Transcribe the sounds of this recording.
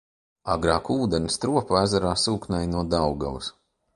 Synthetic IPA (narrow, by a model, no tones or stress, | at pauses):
aɡɾaːkuːd̪enist̪ɾuɔpaæzaɾaːsuːknajnuɔd̪awɡa̰lˠus